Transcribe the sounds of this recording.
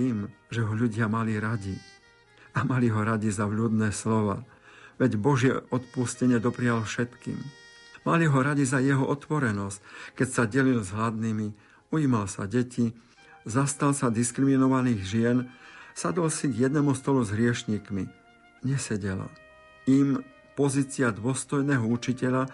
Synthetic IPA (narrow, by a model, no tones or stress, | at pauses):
iːmʒɛɦɔʎuɟɪamaliɾaɟi | amaliɦɔɾaɟizavʎuːd̪nɛːslɔʋa̰ː | ʋɛɟbɔʒɪɛɔt̪puscɛɲɪɛd̪ɔpɾɪjalfʃɛt̪kḭːm | maliɦɔɾaɟizajɛɦɔʔɔt̪ʋɔɾɛnɔsckɛcsaɟɛlilzɦlad̪niːmi | uiːmalsa̰ɟɛci | zast̪alsad̪iskɾiminɔʋaniːɣʒɪɛnsad̪ɔlsiɡjɛd̪nɛːmust̪ɔluzɦɾɪɛʃɲiːkmi | ɲɛsɛɟɛla̰ | im | pɔziːt͡siad̪ʊɔst̪ɔjnɛːɦɔut͡ʃicɛʎa